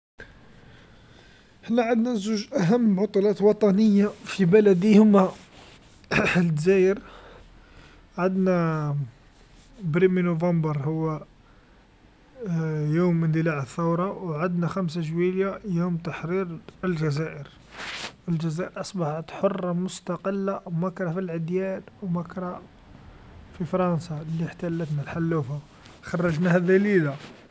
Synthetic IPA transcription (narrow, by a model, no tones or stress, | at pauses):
hənːæʕad̪næzuʒʔæɦæmːʕɑt̪ˤulæt̪wɑt̪ˤɑnəjːafibælæd̪ihʊmæ | ld̪zæjəɾ | ʕad̪næ | bɾiminuvɑmbəɾˤhʊwːæ | jumənd̪əlaʕəθːɑwɾˤɑwʕad̪næxæms̬aʒwiljajumt̪aħɾiɾəlʒæzæʔəɾ | əlʒæzæʔəɾʔɑsˤbɑħat̪ħorˤːɑmʊst̪ɑqəlːamækɾˤɑfilʕəd̪jænwmækɾˤɑ | fifɾˤɑnsɑliħt̪ælːət̪nælħalːufa | xɑrˤːɑʒnæhæd̪ælid̪a